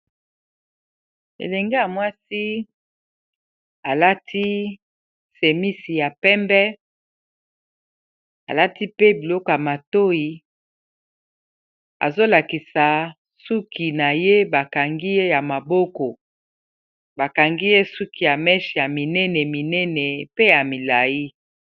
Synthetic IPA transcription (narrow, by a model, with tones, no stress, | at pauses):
ḛ˨lɛ˨ŋɡe˦ja˨mwa˦si˦ | a˨la˦tʰi˦ | se˨mi˦si˨ja˨pɛ˦mbɛ˦ | a̰˨la˦ti˦pe˦bi˨lɔ˦kja˨ma˨to˦ji˨ | a̰˨zo˦la˨ki˨sa˨ | su˦ki˨na˨je˦ba˨ka˨ŋɡi˦je˦ja˨ma˨bɔ˦kɔ˨ | ba˨ka˨ŋɡi˦je˦su˦ki˨ja˨mɛ˦ʃi˨ja˨mi˨nɛ˦nɛ˨mi˨nɛ˦nɛ˨pe˦ja˨mi˨la˨ji˦